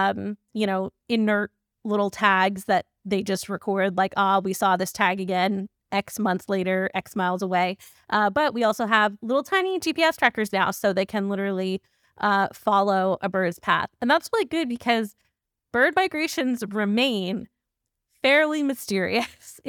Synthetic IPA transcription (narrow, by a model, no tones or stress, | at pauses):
m | jɨɾ̃oʊ | ɨ̃nɜ˞t̚ | lɪɾl̩ˠtʰæɡzðɨt̪̚ðeɪd͡ʒʌst̚ɹɨkʰɔɹd̚ˡlaɪkɔwisɔðɪstʰæɡɨɡɛ̃n | ʔɛksmʌ̃nθsleɪɾə˞ʔɛksmaɪlˠzəweɪ | ʔʌbʌʔ̚wiɔlˠsoʊəvlɪɾl̩ˠtʰãɪ̃ñid͡ʒipiɛstɹ̥ækə˞znaʊsoʊðeɪkʰɨ̃nlɪɾə˞l̩ˠi | ʔʌfɑlˠoʊʔɨbɜ˞dz̥pʰæ̰θɨ̃nðætsɹɪlˠiɡʊd̚bɨkʰʌz | b̥ɜ˞d̚maɪɡɹeɪʃɨ̃nzɹɨmẽɪ̃n | fɛɹlˠimɨstɪɹḭɨs